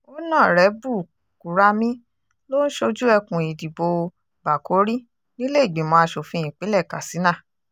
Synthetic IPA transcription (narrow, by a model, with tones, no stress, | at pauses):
o˦nã˦˨ɾɛ˨˦bu˦˨ | ku˨ɾa˦mĩ˦ | lo˦n̩˦ʃo˧d͡ʒu˦ɛ˧kũ˨i˨di˨bo˧ | ba˨ko˨˦ɾi˦ | nĩ˦le˦i˦˨ɡ͡be˨˦mɔ̃˧a˧ʃo˨fĩ˧ĩ˨k͡pe˨˦lɛ˦˨ka̰˨si˨˦nã˦˨